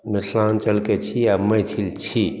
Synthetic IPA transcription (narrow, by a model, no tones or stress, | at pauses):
nəslaːnt͡ʃəlket͡ʃʰiabməjt͡ʃʰilt͡ʃʰi